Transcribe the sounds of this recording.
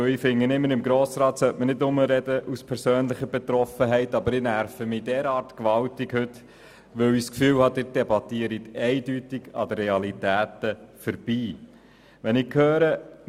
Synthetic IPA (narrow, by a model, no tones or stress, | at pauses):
ifɪŋːənɪmːəɾɪmɡɾoːsɾɑːt̪sœtmənɪtʊməɾɛdəʔuspʰɛɾsøːnlɪχəbɛt̪ɾɔfəɦɛɪtɑbəɾɪnæɾfəmɪdɛːɾɑːɾtkʋɑltɪkhɵt | ʋɵwɪskfyːwhɑd̥̪ɪt̚d̥ɛbɑtiəɾɪtɛɪdytɪɡɑ̰d̪əreɑlitæːtəfəɾb̥iː | ʋɛnɪkʰhøːɾə